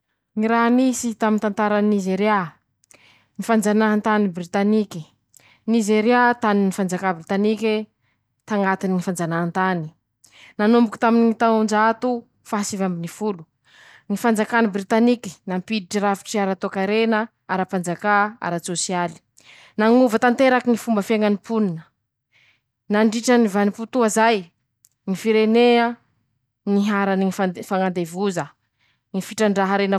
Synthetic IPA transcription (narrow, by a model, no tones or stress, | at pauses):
ŋiɾaɦnisit̪amint̪ant̪aɾannizeɾa | nifand͡zanaɦant̪anibɾit̪aniki | nizeɾiat̪aninifand͡zakabɾit̪anike | t̪aŋɡat̪iniŋifand͡zanaɦant̪ani | nanumbuku̥t̪aminiŋit̪aɳd͡ʒat̪u | faɦsivambinifulu | ŋifand͡zakanibɾit̪aniki̥nampid̪iʈ͡ʂiɾafi̥ʈ͡ʂiaɾat̪okaɾenə | aɾapand͡zakaa̰ɾat͡sosiali̥ | naŋuvət̪ant̪eɾakiŋifumbəfeŋanipuninə | naɳɖ͡ʐiʈ͡ʂənivaniput̪uazaj | ŋifiɾenea | niɦaɾaniŋifafaŋand̪evuzə | ŋifiʈ͡ʂaɳɖ͡ʐaɦəɾenə